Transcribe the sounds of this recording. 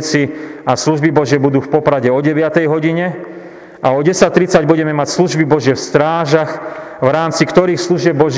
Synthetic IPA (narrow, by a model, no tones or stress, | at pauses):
t͡siasluʒbibɔʒɪɛbud̪uːfpɔpɾaɟɛɔɟɛʋɪat̪ɛjɦɔɟiɲɛ | ʔaɔɟɛsac̚t̪ɾit͡saɟbuɟɛmɛmacsluʒbibɔʒɪɛfst̪ɾaːʒax | vɾaːmt͡sikt̪ɔɾiːxsluʒɪɛb̚bːɔʒ